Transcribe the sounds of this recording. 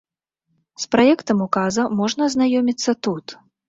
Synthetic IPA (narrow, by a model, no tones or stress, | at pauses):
spɾajɛkt̪ɐmukazɐmɔʐnɐznajɔmʲit̪sːɐt̪ut̪